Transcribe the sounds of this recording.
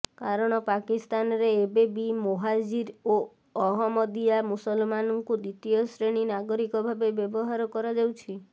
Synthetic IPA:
kaɾɔɽ̃ɔpakist̪anɔɾeːbebimoɦad͡ʒiɾo | ɔɦɔmɔd̪ijamusɔlmanɔŋkud̪it̪ijɔsɾeɽ̃inaɡɔɾikɔbʱabebjɔbɔɦaɾɔkɔɾad͡ʒawt͡ʃʰi

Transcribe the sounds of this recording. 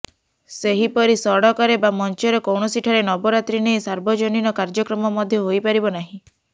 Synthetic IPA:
seɦipɔɾisɔɽɔkaɾebamɔnt͡ʃɔɾɔkɔwɳɔsiʈʰaɾenɔbɔɾat̪ɾineisaɾbɔd͡ʒoninɔkaɾd͡ʒɔkɾɔmɔmɔd̪ʱjɔɦojpaɾibɔnaɦĩ

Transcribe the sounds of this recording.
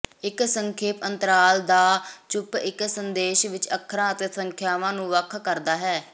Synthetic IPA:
ɪksəŋkʰeːpənt̪əɾaːld̪aːt͡ʃʊpɪksənd̪eːʃʋɪt͡ʃəkʰːɾãːət̪eːsəŋkʰjaːʋãːnũːʋəkʰkəɾd̪aːɦɛː

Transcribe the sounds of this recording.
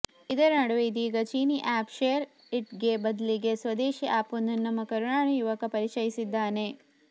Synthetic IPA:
id̪ɐɾɐnɐɽɐʋeid̪iːɡɐt͡ʃiːniʔaːpʃeːɐɾ | iʈɡebɐd̪ɐliɡesʋɐd̪eːʃiʔaːpunːɐnːɐmːɐkɐɾuɳaːɳɐjuʋɐkɐpɐɾit͡ʃɐjisid̪ːaːne

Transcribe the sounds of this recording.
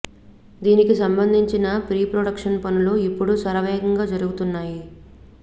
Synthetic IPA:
d̪iːnikisɐmbɐnd̪ʱiɲt͡ʃinɐpɾiːpɾoːɽɐkʂɐnpɐnuloːipːuɽusɐɾɐʋɛːɡɐŋɡaːd͡ʒɐɾuɡut̪unːaːji

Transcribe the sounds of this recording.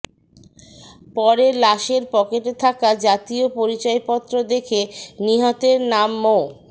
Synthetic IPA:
pɔɾelaʃeɾpɔkeʈet̪ʰakad͡ʑat̪iopoɾit͡ɕɔepɔt̪ːɾod̪ekʰeniɦɔt̪eɾnamːo

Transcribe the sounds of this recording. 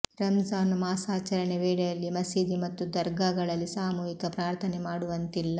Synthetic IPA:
ɾɐmzaːnumaːsaːt͡ʃɐɾɐɳeʋeːɽɐjɐlːimɐsiːd̪imɐt̪ːud̪ɐɾɡaɡɐɭɐlːisaːmuːjikɐpɾaːɾt̪ʰɐnemaːɽuʋɐnt̪ilːɐ

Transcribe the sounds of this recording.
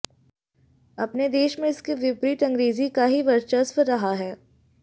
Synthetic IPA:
ɐpned̪eːʃmẽɪskiʋɪpɾiːʈ̪ɐ̃ŋɡɾeːzikaɦiʋɐɾt͡ʃəsɾɐɦaɦɛː

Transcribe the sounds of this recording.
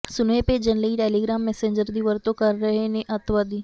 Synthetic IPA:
sʊneped͡ʒɐnləiʈeːliɡɾaːmːɛːsẽːɲd͡ʒəɾd̪iʋəɾt̪õkɐɾːɐɦeneʔɐt̪ʰʋad̪iː

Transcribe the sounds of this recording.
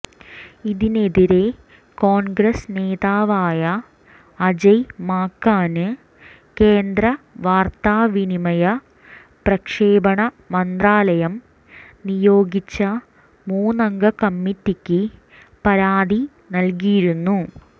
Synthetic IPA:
iðine̞ðiɾe̞ | koːnɡɾɐsne̞ːðaːʋaːjɐː | d͡ʑɐjmaːkːaːnɨ | keːnd̪ɾɐʋaːrt̪aːʋinimɐjɐ | prɐkʂeːbɐɳɐ | mɐnd̪raːlɐjɐm | nijo̞ːɡit͡ɕːɐ | muːnɐŋɡɐkɐmːitːikʲːɨ | pɐɾaːd̪i | nɐlk̬ijiɾunːu

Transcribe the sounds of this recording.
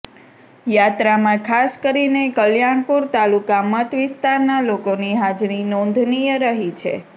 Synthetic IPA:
jat̪ɾamãkʰaskəɾinekəljaɳpuɾt̪alukamət̪ʋɪst̪aɾnalokoniɦad͡ʒɾinɔ̃nd̪ʱnijəɾəɦit͡ʃʰḛ

